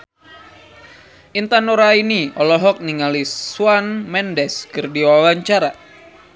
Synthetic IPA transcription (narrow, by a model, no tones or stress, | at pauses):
ʔint̪anoɾainiɔlɔɦɔk̚niŋaliswanmɛndɛskərdiwawaɲt͡ʃaɾa